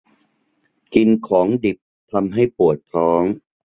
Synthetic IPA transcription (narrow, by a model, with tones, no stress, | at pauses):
ki˧nkʰɔː˩˦ŋdi˨˩p̚ | t̪ʰa˧mɦa˥˩jpu˨˩ət̪̚t̪ʰɔː˦˥ŋ